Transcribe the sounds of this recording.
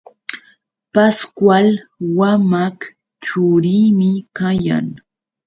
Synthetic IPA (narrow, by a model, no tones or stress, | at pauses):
paskwalwamak | t͡ʃʊɾiːmɪkaja̰ŋ